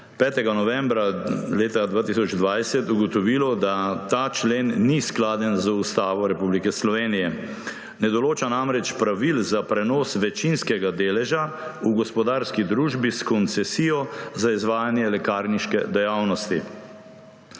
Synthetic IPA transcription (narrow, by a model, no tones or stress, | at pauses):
pɛːt̪ɛɡanɔʋɛ̃mbɾaleːt̪ad̪ʋaːt̪isɔd͡ʒd̪ʋajsɛt̪uɡɔt̪ɔʋilɔd̪at̪aːt͡ʃleːnːisklaːd̪ɛnzust̪aːʋɔɾɛpublikɛslɔʋeːnijɛ | nɛd̪ɔloːt͡ʃanamɾɛt͡ʃpɾaʋilzapɾɛnɔːsʋɛt͡ʃinskɛɡad̪eːlɛʒauɡɔspɔd̪aːɾskid̪ɾuːʒbiskɔnt̪sɛsiːjɔzaizʋaːjanjɛlɛkaɾniʃkɛ̰d̪ɛjawnɔst̪i